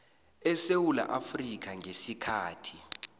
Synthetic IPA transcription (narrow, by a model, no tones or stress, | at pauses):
ɛsewula̰ʔafrik̬aŋʱesikʰaːtʰi̥